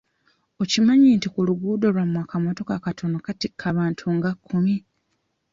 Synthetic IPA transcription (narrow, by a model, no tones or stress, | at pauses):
o̞cimaɲiːntikuluɡuːdolwamwaːkamoto̞kakatʰo̞nokatikʰːaβaːntʰuŋɡakʰːumi